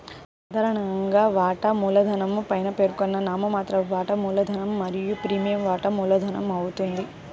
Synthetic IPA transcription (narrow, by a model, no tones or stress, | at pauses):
sɐd̪ʱaːɾɐɳɐŋɡaːʋaːʈɐmuːlɐd̪ʱɐnɐmpɐjnɐpe̞ːɾkɔnːɐnaːmɐmaːt̪ɾɐʋaːʈɐmuːlɐd̪ʱɐnɐmːɐɾijupɾiːmijɐmʋaːʈɐmuːlɐd̪ʱɐnɐmɐwut̪und̪i